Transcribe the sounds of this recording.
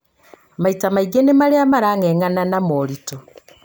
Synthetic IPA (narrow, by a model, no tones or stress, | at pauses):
amaitamaiɡenemaɾeamaɾaŋɛŋananamɔɾito